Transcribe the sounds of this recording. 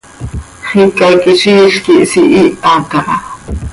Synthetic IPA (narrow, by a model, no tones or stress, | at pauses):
χikakiʃiːɬkiʔsiʔiʔakɑʔɑ